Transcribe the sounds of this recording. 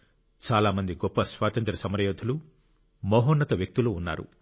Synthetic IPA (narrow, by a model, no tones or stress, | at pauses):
t͡ʃaːlaːmɐnd̪iɡɔpːɐsʋaːt̪ɐnt̪ɾɐsɐmɐɾɐjoːd̪ʱɐlu | mɔːɦonːɐt̪ɐʋjɐk̚t̪iloːunːa̰ːɾṵ